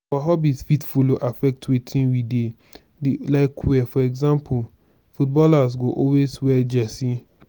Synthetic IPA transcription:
awaɦɔbitsfitfuloʔafɛk̚twetʰĩnwide | dilaɪkʰwɛfɔɛɡzãmpʰu | fut̚bɔlas̬ɡoʔɔlweswɛd͡ʒɛsĩ

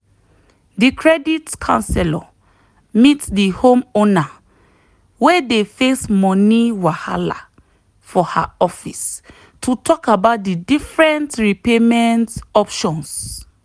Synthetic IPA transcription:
dikʰɹɛditkʰã̰nsɛlɔ | mitdihõmona | wedefesmɔniwaha̰la̰ | fɔha̰ɔfis | tʰutʰɔkabat̚didifɹɛ̃ntɹipemɛ̃ntɔpʃɔ̃ns

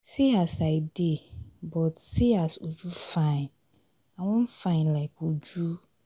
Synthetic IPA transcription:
siasaɪdebɔtsiasod͡ʒufãɪ̃n | awɔ̃n̩fãɪ̃nlaɪkod͡ʒu

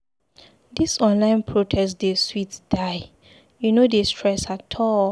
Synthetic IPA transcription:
disɔ̃nlãɪ̃npʰɹotʰɛsdeswitd̥aɪ | junodestʰɹɛsatʰɔl

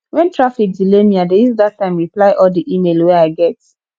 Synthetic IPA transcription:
wɛ̃ntʰɹafikdilemiadeizdatːãɪ̃mɹiplaɪʔɔldiʔimelwɛaɪɡɛt̚

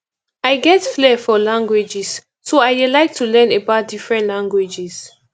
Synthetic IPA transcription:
aɪɡɛtflɛfɔlãŋɡwed͡ʒisː | oajdɛlaɪk̚tʰulɛ̃nebaʊt̚d̥ifɹɛ̃ntlãŋɡwed͡ʒis

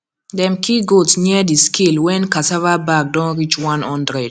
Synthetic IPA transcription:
dɛmkiɡolsɲɛdiskilwɛnkasavabaɡ̚dɔ̃ŋɾit͡ʃwãnɔndɾɛd

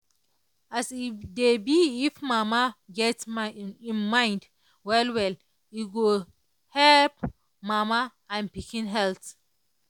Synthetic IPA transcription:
asidebiːfmamaɡɛtmĩnmãɪ̃nd | wɛlwɛl | iɡo | hɛlp̚ | mama | ãnpikĩnɦɛlt

